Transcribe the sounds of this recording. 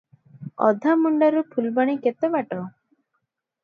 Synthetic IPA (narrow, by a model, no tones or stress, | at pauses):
ɔ̰d̪ʱamuɳɖaɾupʰulbaɽ̃iket̪ɔbaʈɔ